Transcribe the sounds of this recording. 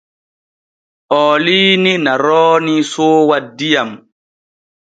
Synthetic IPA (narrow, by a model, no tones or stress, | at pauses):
ʔɔːliːninaɾɔːnisoːwadːijam